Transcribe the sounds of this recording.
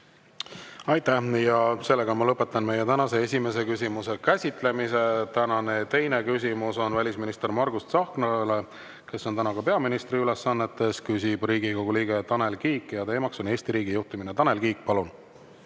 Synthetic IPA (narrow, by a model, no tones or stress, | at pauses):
ɑjt̪æhjɑse̞lːe̞ɡ̥ɑmɑlɤpːˑe̞t̪ːˑɑnme̞jet̪ænɑse̞es̬ʲime̞s̬e̞kys̬ʲimuse̞kæsʲit̪ˑle̞mise̞t̪ænɑne̞t̪e̞jnekys̬ʲimuso̞nvælʲisminist̪e̞rmɑrɡust̪sɑhknɑle | ke̞sːo̞nt̪ænɑkɑpe̞ɑminist̪riyle̞sːɑnːe̞t̪ːe̞skysʲib̥riːɡiko̞ɡ̥uliːɡ̥e̞t̪ɑne̞lkiːkːˑjɑt̪e̞ːmɑkso̞ne̞ːsʲt̪iɾiːɡijuht̪iminet̪ɑne̞lkiːkˑpɑlun